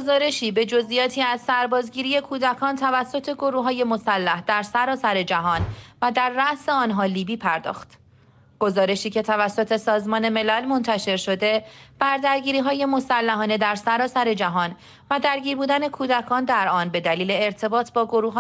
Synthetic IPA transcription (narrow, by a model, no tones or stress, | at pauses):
ɡozɒːɾe̞ʃiːbe̞d͡ʒo̞zʔijɒːt̪ʰiːæzsæɾbɒːzɟiːɾiːje̞kʰuːd̪ækʰɒːnt̪ʰævæsːo̞t̪ʰe̞ɡo̞ɾuːɦɒːje̞mo̞sælːæhd̪̥æɾsæɾɒːsæɾe̞d͡ʒæɦɒːnvæd̪æɾːæʔse̞ɒːnɦɒːliːbiːpʰæɾd̪ɒ̰ːxt̪ | ɡ̥ozɒːɾe̞ʃiːcʰe̞t̪ʰævæsːo̞t̪ʰe̞sɒːzmɒːne̞me̞lælmo̞nt̪ʰæʃe̞ɾʃo̞d̪e̞b̥æɾd̪æɾɟiːɾiːɦɒːje̞mo̞sælːæɦɒːne̞d̪æɾsæɾɒːsæɾe̞d͡ʒæɦɒːn | væd̪æɾɟiːɾbuːd̪æne̞kʰuːd̪ækʰɒːnd̪æɾʔɒːnbe̞d̪æliːle̞ːɾt̪ʰe̞bɒːt̪ʰbɒːɡo̞ɾuːɦ